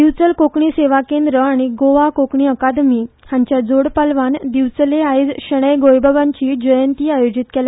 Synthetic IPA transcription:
d̪iʋt͡səlkokɳiseʋakẽnd̪ɾəaɽ̃iɡoʋakokɳiːəkad̪mihjãɲt͡ɕjad͡zoɽpalʋand̪iʋt͡səleajd͡zɕəɽ̃əjɡojbʱaʋãɲt͡ɕiːd͡ʑəjənt̪iːajod͡ʑit̪kela

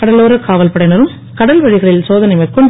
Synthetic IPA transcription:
kɐɽɐloːɾɐkaːʋɐlpɐɽɐɪnɐɾɯm | kɐɽɐlʋɐɻɪɣɐɭɪlsoːðɐnɐɪmɐɪkːɯm

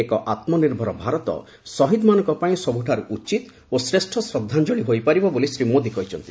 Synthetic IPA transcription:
ekɔʔat̪mɔniɾbʱɔɾɔbʱaɾɔt̪ɔ̰ | sɔɦid̪manɔ̃ŋkɔpaĩsɔbuʈʰaɾuʔut͡ʃit̪ | osɾesʈʰɔsɾɔd̪ʱːand͡ʒoɽ̃iɦojpaɾibɔbolisɾimod̪ikɔɦit͡ʃʰɔnt̪i̥

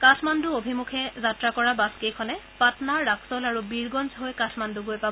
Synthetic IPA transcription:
katʰmanduobʱimukʰɛzatɹakɔɹabaskejkʰɔnɛpatnaɹːaksɔlaɹubiɹɡɔnzɦojkatʰmanduɡojpabɔ

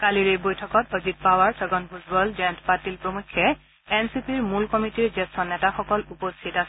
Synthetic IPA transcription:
kaliɹijbojtʰɔkɔtozit̚pawaɹsɔɡɔnpʰutbɔlzɛntpatilpɹomukʰːɛ | ɛnsipiɹmulkɔmitiɹzɛstɔnːɛtaxɔkɔlupostʰitasɛ

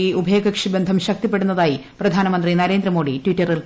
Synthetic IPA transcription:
iubʱeːɡɐkʂɐbend̪ʱɐmɕɐk̚t̪ipːe̞ɽunːɐðaːjiprɐd̪ʱaːnɐmɐnd̪rinɐɾe̞ːnd̪ɾɐmoːɽitwitːɐril

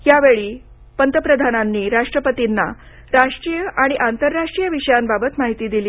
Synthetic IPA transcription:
jaʋeɭiː | pənt̪əpɾəd̪ʱananːiːɾaʂʈɾəpət̪inːa | ɾaʂʈɾijəʔaɽ̃iʔant̪əɾːaʂʈɾijəʋiɕəjambabət̪maɦit̪iːd̪iliː

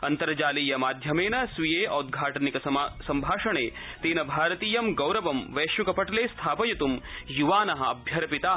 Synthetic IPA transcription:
ɐnt̪ɐɾɐd͡ʒaːliːjɐmaːd̪ʱjɐmeːnɐsʋijeːʔɐːd̪̚ɡʱaːʈɐnikɐsɐmbʱaːʂɐɳeː | t̪eːnɐbʱaːɾɐt̪iːjɐmɡɐwɾɐʋɐmʋeːʃjukɐpɐʈɐleːst̪ʰaːpɐjɐt̪umjuʋaːnɐɦɐ̆ɐbʱjɐɾɐpit̪aː

